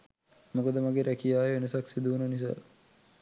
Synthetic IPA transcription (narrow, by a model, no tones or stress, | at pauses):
mukod̪əmaɡeɾækijaːjeenəsaksid̪uʋunənis̬a̰